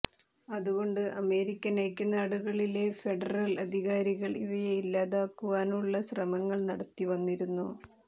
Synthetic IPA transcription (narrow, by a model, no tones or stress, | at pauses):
ɐðuɣo̞ɳɖɨʔɐme̞ːɾikʲːɐnejkʲːɐnaːɽuɣɐɭile̞feɖɐrɐlɐd̪ʱiɣaːɾiɣɐɭiʋɐjeilːaːðaːkːuʋaːnuɭːɐɕrɐmɐŋːɐɭnɐɽɐt̪ːiʋɐnːiɾunːu